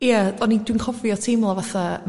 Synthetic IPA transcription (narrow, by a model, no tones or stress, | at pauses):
jadɔnidwinkʰɔviɔtʰimlˠavaθam